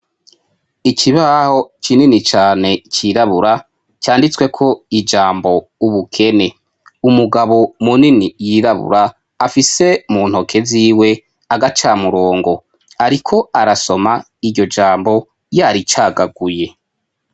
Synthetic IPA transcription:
ikiβaho̞t͡ʃininit͡ʃaːne̞cʰiɾaβuɾa | t͡ʃaːndit͡swe̞kʰo̞id͡ʒaːmbo̞uβukʰe̞ne̞ | umuɡaβo̞muninijiɾaβṵɾaː | fise̞muːn̥ho̞kʰe̞ziːwe̞ | aɡat͡ʃaːmuɾo̞ːŋɡo̞ | aɾikʰo̞aɾaso̞ma | iɟo̞d͡ʒaːmbo̞ | jaɾit͡ʃaːɡaɡuje̞

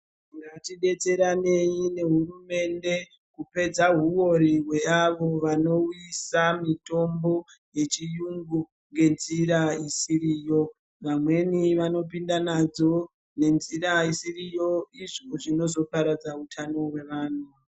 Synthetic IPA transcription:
iŋɡatiɗe̞t͡se̞ɾane̞ɲine̞ɦurume̞nde̞ | kupe̞d͡zaɦuwo̞ɾiɦwe̞aʋo̞ʋano̞uisamito̞mbo̞ | je̞t͡ʃijuŋɡu | ŋɡe̞nziɾaisiɾiːjo̞ | ʋamwe̞niʋano̞p̬indanad͡zo̞ | ne̞nziɾaisirijo̞iʐoʐino̞zo̞paɾad͡zautʰano̞we̞ʋaːn̤u

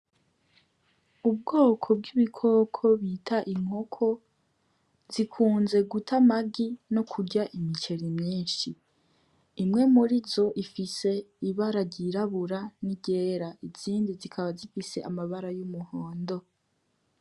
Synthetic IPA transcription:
ub̚ɡoːkʰo̞bɡiβikʰo̞ːkʰo̞βitʰaʔiŋ̥ho̞kʰo̞ | z̥ikʰuːnze̞ɡutʰamaɡino̞kʰuɾɟaʔimit͡ʃe̞ɾimɲiːnʃiː | mŋe̞muɾizo̞ʔifise̞iβaɾaɟiɾaβuɾaniɟeːɾaiz̥iːndizikʰaβazifise̞ʔa̰maβaɾajumuhoːndo̞

